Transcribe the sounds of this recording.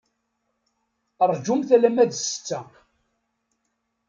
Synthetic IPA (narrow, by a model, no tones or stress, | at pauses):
əɾˤd͡ʒumθælæmæd̪sə̥t͡sːæ